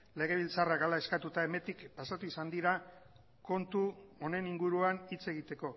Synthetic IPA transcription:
le̞ɣ̞e̞β̞ilt͡sarakalae̞skat̪ut̪ae̞me̞t̪ikpasat̪uisand̪iɾa | ko̞nt̪uo̞ne̞niŋɡuɾuanit͡se̞ɣ̞it̪e̞ko̞

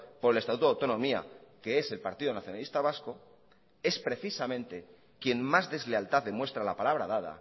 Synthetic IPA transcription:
po̞ɾe̞let̪at̪ut̪oawt̪o̞nõ̞mia̰ke̞e̞se̞lpaɾt̪iðonaθjo̞nalist̪aβ̞asko | e̞spɾe̞θisamẽ̞nt̪e̞ | kje̞nmazðe̞zle̞alt̪aððe̞mwest̪ɾalapalaβ̞ɾaðaða̰

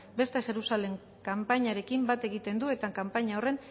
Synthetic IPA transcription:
be̞st̪e̞ʝe̞ɾusale̞ŋ | kampaɲaɾe̞kimbat̪e̞ɣ̞it̪e̞nd̪ue̞t̪akampaɲao̞re̞n

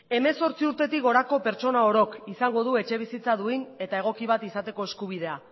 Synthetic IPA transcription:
e̞me̞so̞ɾt͡siuɾt̪e̞t̪ikɡo̞ɾako̞pe̞ɾt͡ʃo̞nao̞ɾo̞kisaŋɡo̞ð̞ue̞t͡ʃe̞β̞isit͡saðuejne̞t̪ae̞ɣ̞o̞kiβ̞at̪isat̪e̞ko̞eskuβ̞ið̞e̞a

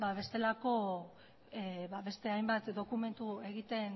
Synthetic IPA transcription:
baβ̞e̞st̪e̞lako̞ | βaβe̞st̪e̞ajmbat̪d̪o̞kume̞nt̪ue̞ɣit̪e̞n

